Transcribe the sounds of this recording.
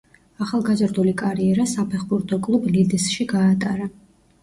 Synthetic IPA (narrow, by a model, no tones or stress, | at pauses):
aχalˠɡazɾd̪ulikʼaɾiɛɾasapʰɛχbuɾt̪ʰʼɔkʼlˠublid̪ɛsʃiɡaːt̪ʼaɾa